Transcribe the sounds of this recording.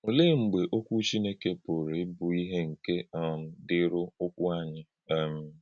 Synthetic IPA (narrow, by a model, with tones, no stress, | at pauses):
o˨le˦ŋ͡m̩˨ɡ͡be˨ʔo˦kʷu˦t͡ʃi˦ne˦ke˨po˨ɾe˨˦bʊ˨i˦ɦe˦ŋ̩˨ke˦ɔ˨m̩˦dɪ˦ɾʊ˦o˦kʷu˦a˦ɲɪ˦˨ | m̩˨